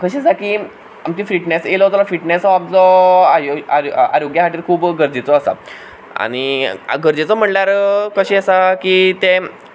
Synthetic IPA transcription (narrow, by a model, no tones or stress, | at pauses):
kʰəɕiəsakiː | amt͡ɕifɾiʈneselɦot̪olafɾiʈnesɦɔamt͡sɔajoaa̰ɾoɡjasaʈiːɾkʰuːbɡəɾd͡zit͡sɔəsa̰ | a̰ɽ̃iaɡəɾd͡zet͡sɔm̤əɳlaɾkəɕeəsakiːt̪e